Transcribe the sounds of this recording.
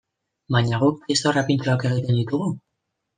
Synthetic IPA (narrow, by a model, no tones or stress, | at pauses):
baɲaɣuk̚est̪orapint͡ʃoake̞ɣ̞it̪e̞nd̪it̪uɣ̞u